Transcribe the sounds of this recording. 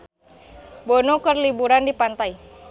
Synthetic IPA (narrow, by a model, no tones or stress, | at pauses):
bɔnokərlibuɾandipant̪ai